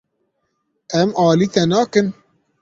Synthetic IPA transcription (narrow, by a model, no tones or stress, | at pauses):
ɛmɑːliːt̪ɛnɑːkɨn